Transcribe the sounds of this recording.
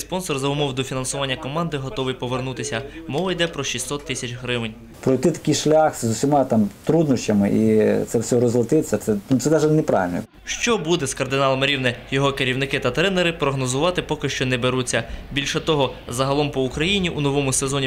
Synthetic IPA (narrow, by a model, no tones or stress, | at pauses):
spɔnsɔrzɐʊmɔwd̪ɔfʲinɐnsʊʋɑnʲːɐkɔmɑnd̪ɪɦɔt̪ɔʋɪjpɔʋernut̪ɪsʲɐmɔʋɐjd̪ɛpɾɔʃʲisɔt̪ːɪsʲɐt͡ʃɦɾɪʋɪnʲ | pɾɔjt̪ɪt̪ɐ̥kʲijʃlʲaxzʊwsʲimɑt̪ɑmt̪ɾud̪nɔʃt͡ʃɐmɪ̰ʔḭt̪sɛwsʲɔɾɔzlˠɐt̪ɪsʲɐt̪sɛnut̪ɛd̪ɑʒɐlʲnɛpɾɑ̰ʋɪlʲnɔ̰ | ʃt͡ʃɔbud̪ɛskɐrd̪ɪnɑlˠɐmɪɾʲiwnɛjɔɦɔkeɾʲiwnɪkɪt̪ɐt̪ɾɛneɾɪpɾɔɦnɔzʊʋɑt̪ɪpɔkɪʃt͡ʃɔnɛbeɾut͡sʲːɐbʲilʲʃɛt̪ɔɦɔzɐɦɐlˠɔmpɔʊkɾɐjinʲiʔunɔʋɔmʊsezɔnʲi